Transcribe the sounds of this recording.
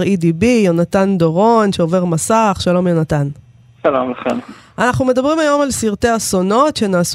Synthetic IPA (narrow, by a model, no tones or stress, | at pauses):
ʁidibijonat̪and̪oʁo̞nʃeo̞ve̞ʁmasaχʃalo̞mjonat̪an | ʃalomlaχḛm | anaχnume̞d̪abʁimajo̞malsiʁt̪e̞aso̞no̞tʃe̞naːs